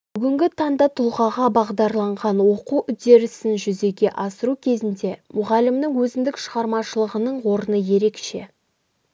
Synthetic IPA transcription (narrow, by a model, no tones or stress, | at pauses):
bʏɡʲɪŋɡʲɪt̪ʰɑnd̪ɑt̪ʰʊlˠʁɑʁɑbɑʁd̪ɑɾlˠɑɴʁɑnwo̞quwʔʏd̪e̞ɾɪsɪnʒʏze̞ɡʲe̞ʔɑsəɾukʲʰe̞zɪnd̪e̞mʊʁɑlɪmnɪŋwɵzɪmd̪ɪkʃəʁɑɾmɑʃəlˠəʁənəɴwo̞ɾənəje̞ɾe̞kʃe̞̰